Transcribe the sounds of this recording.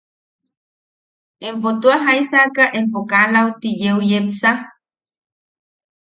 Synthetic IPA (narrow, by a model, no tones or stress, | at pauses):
empot̪uaɦajsakaʔempokalawt̪ijeujepsa